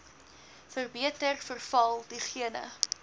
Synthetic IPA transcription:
fərbiətərfərfɐlˠdiχiənə̰

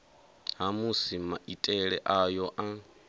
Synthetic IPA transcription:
ɦamusimaʔitʼɛɺɛʔajɔʔa

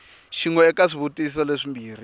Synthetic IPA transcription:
ʃiŋɔɛkaʂiβutʼis̬ɔleʂimbʱiːr̤i

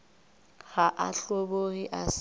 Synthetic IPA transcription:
ɣaʔaɬoɓohiʔas

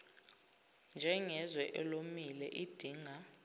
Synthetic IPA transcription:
nd͡ʒʱɛŋɛzwɛʔɛlomilɛʔid̥ʱiːŋa

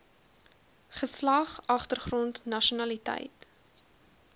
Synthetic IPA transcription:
χəslɐχɐχtərχrɔntnɐʃunɐlitɛ̰jt

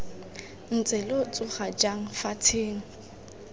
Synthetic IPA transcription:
n̩t͡sʼɪlot͡sʼʊχad͡ʒaŋ̩fatʰeːŋ̩

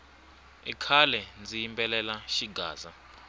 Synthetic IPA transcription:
ḭkʰalɛnd͡zijimpʼɛlɛlaʃiɡʱa̰ːza

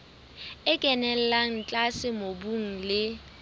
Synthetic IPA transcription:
ɪkʼɛnɛl̩laŋ̩t͡ɬʼasɪmobuŋ̩lɪ

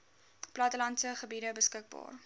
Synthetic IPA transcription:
plɐtəlɐntsəχəbidəbəskək̚bɑ̰ːr

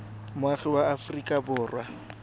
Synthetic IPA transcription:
mʊaχɪwaːfrikʼabʊːrwa

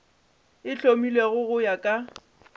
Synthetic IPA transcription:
ɪt͡ɬʼomileɣʊɣʊjakʼa

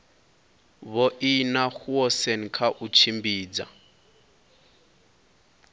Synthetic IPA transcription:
βɔʔinaxuɔsenikʰaʔut͡ʃʰimbiːd͡za̰

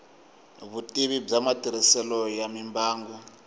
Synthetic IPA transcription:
βutʼiβib͡ʐamatʼiɾisɛlɔjamimbaːŋɡu

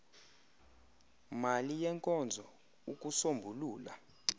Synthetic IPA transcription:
malijɛŋkʼɔnd͡zʱɔ | ukʼusombʱuluːla̰

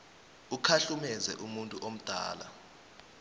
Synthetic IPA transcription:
ukʰaɬumɛzɛʔumuntʼuʔom̩d̥ʱa̰ːla̰

